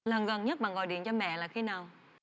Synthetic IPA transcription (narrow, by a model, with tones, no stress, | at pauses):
lə˨˩nɣə˨˩nɲə˦˥t̚ɓa̰˧˨ŋɣɔ̰˧˨jɗḭ˧˨ənt͡ɕɔ˧mɛ̰˧˨laː˨˩xi˨˧˦naː˨˩w